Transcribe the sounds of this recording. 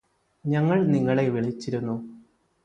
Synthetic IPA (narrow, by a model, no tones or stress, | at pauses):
ɲɐŋːɐɭniŋːɐɭe̞ʋiɭit͡ɕːiɾunːu